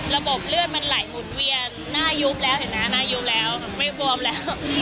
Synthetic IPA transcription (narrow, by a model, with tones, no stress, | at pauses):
ɾa˧bo˨˩p̚lɯ˥˩ən̚ma˧nla˨˩jmu˨˩˦t̪̚wi˧ənːaː˥˩ju˦˥p̚lɛː˦˥whɯ˨˩˦ŋna˦˥naː˥˩ju˦˥p̚lɛː˦˥wma˥˩jpu˧əmlɛː˦˥w